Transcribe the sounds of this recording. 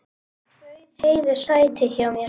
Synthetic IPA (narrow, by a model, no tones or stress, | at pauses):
heːjðʏ̥saːjt̪ʰɪçawmjɛ